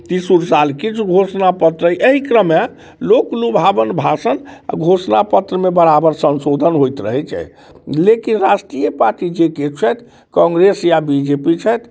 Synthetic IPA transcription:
t̪isuɾsalkit͡ʃʰuɡʱosnapət̪ɾəʔəɦikɾəme | loklubʱabənbʱasəna̰ɡʱosnapət̪ɾəmebəɾabəɾsə̃nsod̪ʱənɦojt̪ɾə̰ɦɛt͡ʃʰɛ̰ | lekinɾasʈijəpaɾʈid͡ʒeket͡ʃʰɛt̪ʰ | kɔ̃ŋɡɾesjabid͡ʒepit͡ʃʰɛt̪ʰ

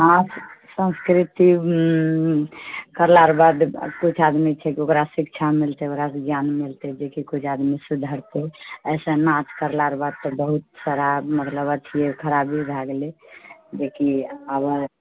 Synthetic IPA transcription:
ɦãssə̃nskɾit̪i | kəɾlaɾbad̪kut͡ʃʰad̪mit͡ʃʰɛkiokɾasikt͡ʃʰamilt̪eokɾasd͡ʒjanmilt̪ɛd͡ʒekikut͡ʃʰad̪misud̪ʱəɾt̪eəsə̃nat͡ʃ̪kəɾlaɾbad̪̚t̪ɔbəɦut̪saɾamət̪ləbət͡ʃʰiekʰəɾabiɾʱaɡled͡ʒekiəbəɾ

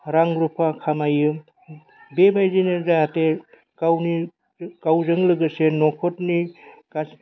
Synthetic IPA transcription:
ɾaŋɡɾupʰakʰamajɯ | bebajzineɾzajate | kawni | kawzɯŋlɯɡɯsenɔkʰɔtnika

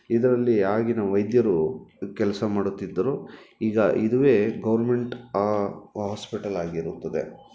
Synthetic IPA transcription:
id̪ɐɾɐlːiaːɡinɐʋɐjd̪jɐɾukɛlɐsɐmaːɽut̪ːid̪ːɐɾuiːɡɐʔid̪uʋe̞ːɡɐʋɐɾme̞ɳʈaːɦaːspiʈɐlaːɡiɾut̪ːɐd̪e̞̰

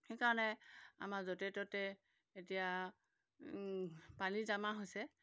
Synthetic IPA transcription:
xekaɹɔnɛa̰maɹzotɛtɔtɛ | etija | panizamaɦojsɛ

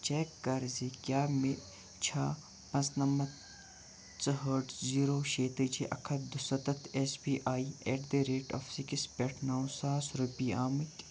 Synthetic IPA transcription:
t͡ʃeːkːɐɾzikʲjaːme | t͡ʃʰaː | mɐznɐmɐt̪ | t͡sɐɦəɖziːɾoːʃeːt̪ɨd͡ʒiʔɐkʰɐd̪usɐt̪ɐt̪ʰesbiːʔaːieːʈd̪eɾeːʈɐfsikispʲeʈʰnaːwsaːsɾupiːaːmɨt̪ʲ

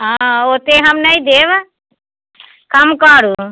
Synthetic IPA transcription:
ɦãoːt̪eɦɐmnɐĩd̪eːʋ | kəmkəːɾu

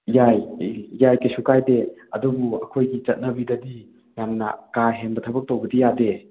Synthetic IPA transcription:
jajːajkɐsukajdeɐdubuɐ̰kʰojɡit͡ʃɐt̚nɐbidɐdi | jamnɐ̰kaɦenbɐtʰɐbɐk̚towbɐdijade

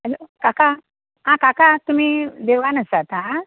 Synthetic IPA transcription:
ɦəlokaka | ɦãkakat̪um̤iːd̪ewɡanəsat̪ɦã

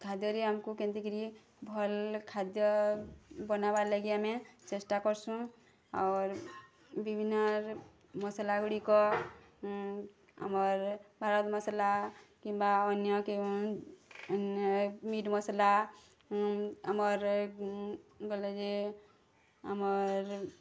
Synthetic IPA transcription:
kʰad̪jəɾiɦəmkukẽnt̪iɡɾi | bʱɔlkʰad̪jʌ | bənabaləɡijamet͡ʃesʈakɔɾsũ | a̰ɾ | bibʱinːʌɾ | məsəlaɡɽikɔ | ɦə̰məɾbʱaɾɔt̪mʌsəlakĩmbaɔnjʌke | njmiʈməsla | ɦəməɾ | ɡəled͡ʒe | ɦə̰məɾ

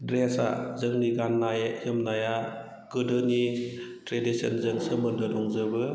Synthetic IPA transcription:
dɾesa̰zɯŋniɡanːajjɯmnaja | ɡ̥ɯdɯnitɾedisə̰nzɯŋsɯmɯndɯdɔŋzɯbɯ

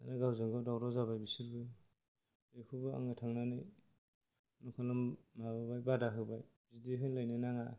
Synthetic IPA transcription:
a̰naɡawzɯŋɡɔwdawɾɔzaβajbisiɾbɯj | ɯjkʰɯbɯa̰ŋɯtʰaŋnanɯj | nukʰɔlɔmmababajbadaɦɯbaj | zidiɦɯjlajnɯnaŋa

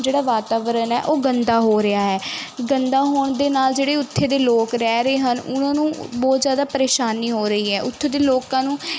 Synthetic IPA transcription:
d͡ʒeːɽaːʋaːt̪aːʋəɾənɛ̰ːʔoːɡənd̪aːɦoːɾɪaːɦɛːɡənd̪aːɦoːɳd̪eːnaːld͡ʒeːɽeːʊt̪ʰːeːd̪eːloːkɾɛːɾəeːɦənʊ̰nãːnũːbɔːt̪zjaːd̪aːpəɾeːʃaːniːɦoːɾəiːɦɛːʔʊt̪ʰːeːd̪eːloːkãːnũː

